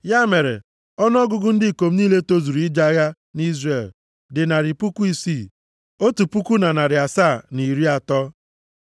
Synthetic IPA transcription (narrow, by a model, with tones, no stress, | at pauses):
ja˦me˨ɾḛ˨ | ɔ˦n˦ɔ˦ɡʊ˦ɡʊ˦n̩˦dɪ˦˨ko˨m̩˦niː˦le˦to˦zu˨ɾu˨˦i˦d͡ʒa˦ɣa˦ | ni˦zre˨l | dɪ˨na˨ɾɪ˨pu˦ku˦i˦si˦˨ | o˦tu˨pu˦ku˦na˨na˨ɾɪ˨a˨saː˦˨ni˨ɾi˦a˨tɔ˦